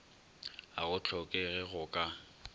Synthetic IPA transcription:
a̰ɣʊt͡ɬʰɔkʼɛɣɛɣʊkʼa

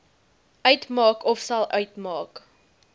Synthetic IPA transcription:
ʔœɥtmɑːkɔfsɐlˠʔœɥtmɑːk

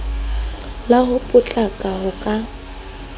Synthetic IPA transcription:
laɦʊpʼʊt͡ɬʼakʼaɦʊkʼa

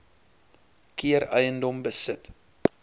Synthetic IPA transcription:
kiəɾœjəndɔmbəsət

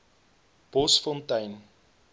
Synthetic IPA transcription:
b̥ɔsfɔntɐjn

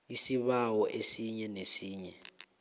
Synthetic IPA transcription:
isiβawɔʔesiɲɛnesiːɲɛ

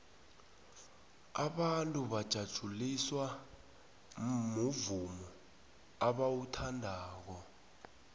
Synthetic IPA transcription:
aɓantʼuɓad̥ʒ̥ʱad̥ʒ̥ʱuliswa | muvumɔ | aɓawutʰandʱaːk̬ɔ

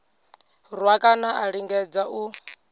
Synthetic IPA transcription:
rwakʼanaʔaɺiŋɡɛd͡zaʔu

